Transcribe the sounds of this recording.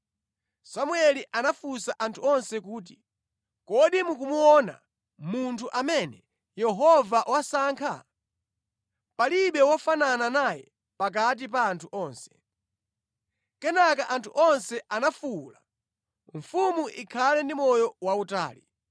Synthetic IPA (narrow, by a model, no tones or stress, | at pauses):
samuɛliʔanafusaʔantʰuɔnsɛk̬uːt̬i | kɔɗimukumuɔna̰ | muntʰuʔamɛnɛ | jɛɦɔvaʔwasaːŋkʰa̰ | paliɓɛwafanananajɛ | pak̬at̬ip̬aːntʰuʔɔːnsɛ̥ | kɛnakaʔantʰuʔɔnsɛʔanafula | ɱ̩fumuʔikʰalɛndimɔjɔwauta̰ːli